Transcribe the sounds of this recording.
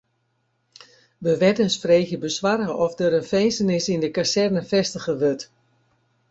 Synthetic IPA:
ʋəʋɛdənsfreːxjəbəsʋarəʔɔfdəɾənfejnsənɪsindəkasɛrnəfɛstəɣəʋøt

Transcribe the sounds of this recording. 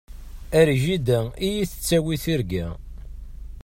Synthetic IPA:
æɾʒid̪æijiθə̥t͡sːæwiθiɾɡæ

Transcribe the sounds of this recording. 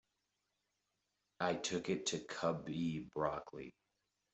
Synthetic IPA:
aɪtʰʊkɪtʰɨkʰʌbibɹɑkʰlḭ

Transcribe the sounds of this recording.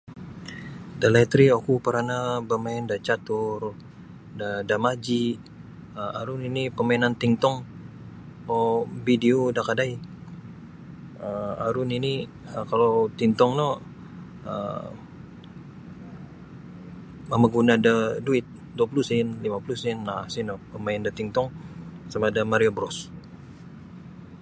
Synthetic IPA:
dalat̪ɾiokupəɾanabəmaɛndat͡ʃat̪ʊr | dadamad͡ʒi | əaɾʊninipəmainant̪int̪ɔŋ | ɔbidiodakadaj | əaɾʊniniəkalot̪int̪ɔŋlɔ | ə̰ | mamaɡunadəduɪt̪̚ | duap̬ulusɪnlimapulusɪnlahsinɔpəmaɪndat̪iŋt̪ɔŋsamadamaɾiobɾɔs

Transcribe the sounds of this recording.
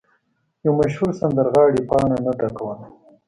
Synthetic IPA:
jawmaʃhuɾsand̪əɾɣɑːɽipɑːɳanaʈakawən

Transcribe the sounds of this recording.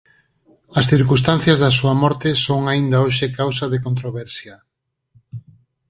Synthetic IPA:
ɐsθiɾkust̪an̟θjɐzðɐsuɐmɔɾt̪ɪsoŋaind̪aoʃekawsɐðekont̪ɾoβɛɾsjɐ

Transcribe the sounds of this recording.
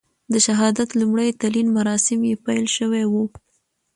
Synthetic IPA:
d̪əʃaɦɑd̪at̪lumɽajt̪alinmaɾɑsɪmjepajlʃəwewu

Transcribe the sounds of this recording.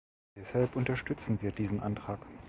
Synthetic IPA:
d̥ɛshalpʔʊntɐʃtʏt͡sn̩viːɐdiːzn̩ʔa̰ntʁ̥aːk

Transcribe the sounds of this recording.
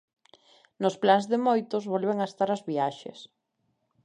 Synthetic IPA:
nʊsplanzðemojt̪ʊzβɔlβeŋaest̪aɾazβiaʃḛs

